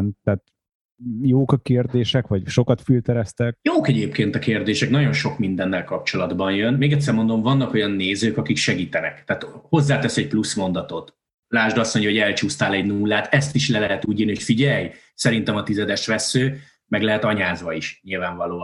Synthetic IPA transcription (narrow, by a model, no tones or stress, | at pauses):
nt̪aːt̪ | joːkɒkeːrd̪eːʃɛkʋɒɟʃo̞kɒt̪filt̪ɛɾɛst̪ɛk̚joːkɛɟeːpkeːnt̪ɒkeːrd̪eːʃɛknɒɟo̞nʃo̞kmind̪ɛnːɛlkɒp̚t͡ʃo̞lɒd̪bɒnjø̞nmeːɡɛt̪sɛrmo̞nd̪o̞ɱvɒnːɒko̞jɒnːeːzøːkɒkikʃɛɡiːt̪ɛnɛ̰kt̪aːt̪ho̞zːaːt̪ɛsɛc̚plusmo̞nd̪ɒt̪o̞t̪ | laːʒd̪ɒstmoɲɟɒɦoɛlt͡ʃuːst̪aːlɛɟnuːlːaːt̪ɛst̪iʃlɛlɛɦɛt̪uːɟiːnihocfiɟɛj | sɛɾin̪t̪ɛmɒt̪izɛd̪ɛʃʋɛsːøː | mɛɡlɛɦɛt̪ɒɲaːzʋɒiʃɲilvaːɱvɒloː